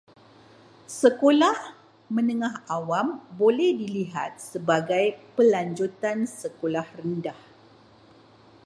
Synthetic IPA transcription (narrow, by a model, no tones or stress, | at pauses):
səkolah | mə̃nəŋãɦawambolɛhdiliɦa̰t̪̚səbaɡajpəlaɲd͡ʒut̪ansəkolahrəndah